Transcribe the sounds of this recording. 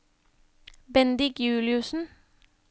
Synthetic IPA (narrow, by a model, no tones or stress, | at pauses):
bɛnd̪ɪkjʉːlɪʉsn̩